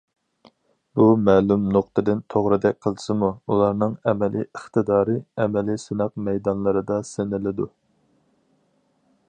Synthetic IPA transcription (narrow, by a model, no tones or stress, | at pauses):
b̥umɛːlumnoq̚t̪ʰɨd̪ɪnt̪ʰoʁɾɨd̪ɛk̚ʲqʰəlˠsɨmuulˠɑɾnɨŋɛmɛlḭəχt̪ʰɨd̪ɑːɾɨɛmɛlisynæqmɛjd̪ɑnlˠɨɾɨd̪ɑsenɪlɪd̪u